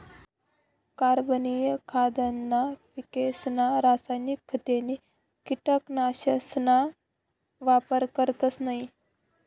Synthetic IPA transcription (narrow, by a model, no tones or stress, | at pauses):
kaɾbənijəkʰad̪ənːapikesnaɾasajnikʰːət̪eni | kiʈəknaɕəsna | ʋapəɾkəɾt̪ət͡snaɦi